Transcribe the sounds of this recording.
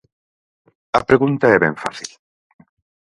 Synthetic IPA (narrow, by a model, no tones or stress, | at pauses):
ɐpɾeɣunt̪aɛβɛ̰ɱfa̰θil